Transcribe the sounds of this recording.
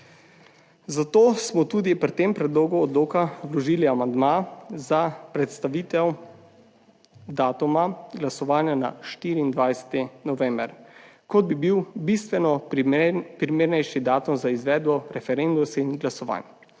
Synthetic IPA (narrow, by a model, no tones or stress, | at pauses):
zat̪oːsmɔt̪uːd̪ipɾt̪empɾɛd̪loːɡuɔd̪loːkawlɔʒiːliamand̪mazapɾɛt̪st̪aʋit̪ɛw | d̪aːt̪umaɡlasɔʋaːnjana̰ʃt̪iːɾiːnd̪ʋajsɛ̥t̪ɛnɔʋɛːmbəɾkɔd̪̚bibiwbist̪ʋɛnɔ | pɾimeːɾnɛjʃid̪aːt̪umzaizʋɛːd̪bɔɾɛfɛɾend̪usinɡlasɔʋa̰n